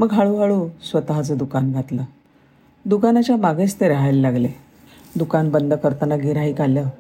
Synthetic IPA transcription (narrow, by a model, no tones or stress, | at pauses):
məɡɦaɭuɦaɭuːsʋət̪aɦat͡səd̪ukanɡʱat̪lə | d̪ukanat͡ɕjamaɡest̪eɾəɦajləlaɡle | d̪ukanbənd̪ʱəkəɾt̪ənaɡʱiɾaɦiːkaljəː